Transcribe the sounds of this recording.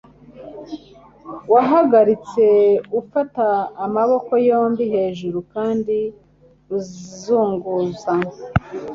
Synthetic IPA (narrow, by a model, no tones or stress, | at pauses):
waɦaɡaɾit͡se̞ufataːmaβo̞ko̞jo̞ːmbiɦe̞ːʒuɾukaːndi | uzizuːŋɡuza